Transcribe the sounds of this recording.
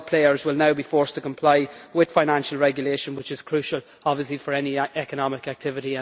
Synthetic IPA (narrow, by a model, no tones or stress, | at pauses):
pʰl̥eɪə˞zwɪlˠnaʊbifɔɹstʰəkʰə̃mpʰl̥aɪwɪð̥faɪnæ̃nʃəlˠɹɛɡjəleʃə̃nwɪt͡ʃɪz̥kʰɹ̥ʉˑʃəlˠ | ɑbviəslifə˞ɛniɛkənɑmɪkak̚tʰɪvɪɾiə̃